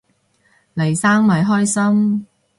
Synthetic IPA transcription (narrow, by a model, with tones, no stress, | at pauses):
lɐ˨˩jsaː˥ŋmɐ˨jɦɔː˥jsɐ˥m